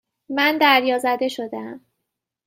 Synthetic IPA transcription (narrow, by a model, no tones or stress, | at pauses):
mænd̪æɾjɒːzæd̪e̞ʃo̞d̪eæm